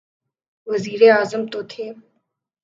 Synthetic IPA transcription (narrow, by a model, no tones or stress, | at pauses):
ʋəziːɾeaːzəmt̪oːt̪ʰeː